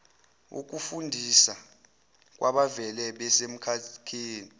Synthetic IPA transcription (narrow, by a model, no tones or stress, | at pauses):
ṵk̬ʼufundʱisa | k̬ʼwaɓavɛlɛɓɛsem̩kʰakʰeːni